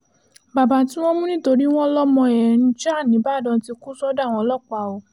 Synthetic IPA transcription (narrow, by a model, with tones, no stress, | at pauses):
ba˨ba˧˦tĩ˦w̃ɔ̃˦mũ˦nĩ˦˨to˧ɾi˦w̃ɔ̃˦lɔ˦mɔ̃˧ɛ˨ɾ̃ĩ˧˦d͡ʒa˦˨nĩ˨˦ba˦˨dɔ̃˧˦ti˧ku˦sɔ˦da˦˨w̃ɔ̃˧˦lɔ˦˨k͡pa˨o˨˦